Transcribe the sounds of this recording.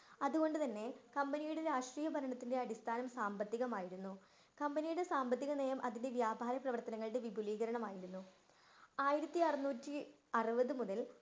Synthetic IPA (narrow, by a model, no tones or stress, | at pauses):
ɐðuɣo̞ɳɖɨt̪ɐnːe̞kɐmbɐnijuɽe̞ɾaːʂʈriːjɐbʱɐɾɐɳɐt̪ːinde̞ɐɽist̪ʰaːnɐmsaːmbɐt̪ːiɣɐmaːjiɾunːu | kɐmbɐnijuɽe̞saːmbɐt̪ːiɣɐneːjɐmʔɐðinde̞ʋjaːbʱaːɾɐprɐʋɐrt̪ɐnɐŋːɐɭɽe̞ʋibʱuliːɣɐɾɐɳɐmaːjiɾunːu | aːjiɾɐt̪ːiɐrnuːtːi | ɐrɨbɐðɨmuðɐl